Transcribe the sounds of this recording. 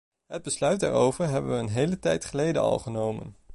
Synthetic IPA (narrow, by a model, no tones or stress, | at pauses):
ɦəd̚bəslœɥd̚a̰ːɹowvəɹɦɛbəʋəːnɦejlətɛjtχəlejdə̰nɑ̰lˠχənowmə̰n